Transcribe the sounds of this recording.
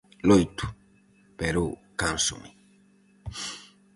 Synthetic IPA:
loit̪u̥ | pɛɾokãnsṵmi

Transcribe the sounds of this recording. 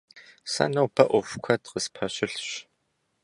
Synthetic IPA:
sɐ̰nɐwbʰɐʔʷɔfʷkʷʰɐtqəspʰɐɕɪɬɕ

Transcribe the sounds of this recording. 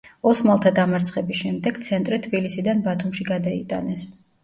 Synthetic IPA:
ɔsmalˠt̪ʰad̪amaɾt̪sʰχɛbisʃɛmd̪ɛɡ̥t̪sʰɛnt̪ʼɾit̪ʰbilisid̪anbat̪ʰumʃiɡad̪aḭt̪ʼa̰nɛs

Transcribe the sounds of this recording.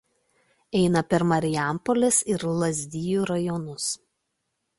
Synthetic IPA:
ɛɪnɐpʲɛɾmɐɾʲɪjæˑmpɔlʲesɪɾlˠɐzʲd̪ʲijuːɾɐjɔnʊs

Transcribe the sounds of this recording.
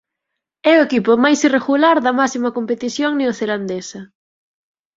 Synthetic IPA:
ɛʊekipʊmajsireɣulaɾðɐmasimɐkompet̪iθjoŋnɪoθeland̪esɐ

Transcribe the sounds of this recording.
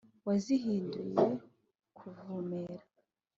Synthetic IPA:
waziɦiːnduje | kʰuvumeɾa

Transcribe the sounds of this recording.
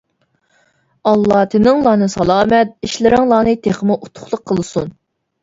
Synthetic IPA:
ɑlˠːɑt̪ʰɪnɪŋlˠɑːnɨsɑlˠɑːmɛt̪̚iʃlɪɾɪŋlˠɑːnɨt̪ʰeχmɨʔut̪ʰʊ̥χlˠəqʰːəlˠɨsṵn

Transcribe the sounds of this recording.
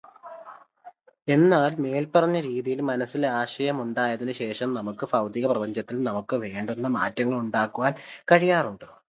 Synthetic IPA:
e̞nːaːlme̞ːlpɐrɐɲːɐɾiːðijilmɐnɐsːileaːɕɐjɐmuɳɖaːjɐðinɨɕe̞ːʂɐmnɐmukːɨfɐwd̪iːɣɐprɐbɐɲd͡ʑɐt̪ːilnɐmukːɨʋe̞ːɳɖunːɐma̰ːtːɐŋːɐɭuɳɖaːkːuʋaːnkɐɻijaːruɳɖɨ

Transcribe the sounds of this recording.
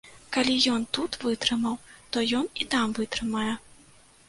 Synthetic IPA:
kalʲijɔnt̪ut̪vɨt̪ɾɨmɐwt̪ɔjɔnit̪amvɨt̪ɾɨmajɛ

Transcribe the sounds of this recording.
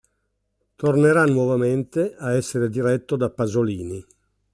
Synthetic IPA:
t̪orneɾanwɔvament̪eaɛsːeɾed̪iɾɛt̪ːod̪apːazoliːni

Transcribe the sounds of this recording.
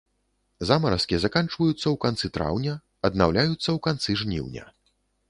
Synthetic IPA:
zamɐɾɐskʲizakant͡ʂvɐjut̪sːɐwkant̪sɨt̪ɾa̰wnʲɐ | ɐd̪mawlʲajut̪sːɐwkant̪sɨʐnʲḭwnʲɐ̰

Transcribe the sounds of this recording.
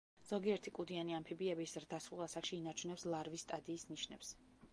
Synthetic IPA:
z̥ɔɡiɛɾt̪ʰikʼud̪ianiampʰibiɛbiszɾd̪asulˠasakʃiːnaɾt͡ʃʰunɛpslˠaɾvisːt̪ʼad̪iːsniʃnɛps

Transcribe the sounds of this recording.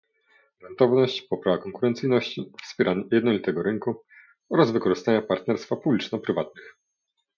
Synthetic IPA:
ɾɛnt̪ɔvnɔɕt͡ɕpɔpɾavakɔŋkuɾɛnt̪sɘjnɔɕt͡ɕifspʲɛɾʔanjɛd̪nɔlʲit̪ɛɡɔɾɘŋku | ɔɾazvɘkɔʐɘst̪aɲapaɾt̪nɛɾst̪fapublʲit͡ʂnɔpɾɘvat̪nɘx

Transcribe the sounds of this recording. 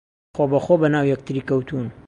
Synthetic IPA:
xoːbɐxobɐnaːwjɛk̚t̪ʰɨɾiːkɐwt̪ʰun

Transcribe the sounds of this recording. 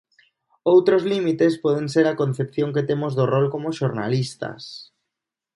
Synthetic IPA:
owt̪ɾozlimit̪espɔð̞ẽŋseɾakon̟θepθjoŋket̪emozðorolkomoʃoɾna̰list̪a̰s

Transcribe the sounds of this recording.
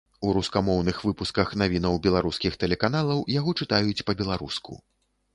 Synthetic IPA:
uɾuskamɔwnɨxvɨpuskɐxnavʲin̪ɐwbʲɛlˠaɾuskʲixt̪ɛlʲɛkanalˠɐwjaɣɔt͡ʂɨt̪ajut͡sʲpɐbʲɛlˠaɾuskṵ

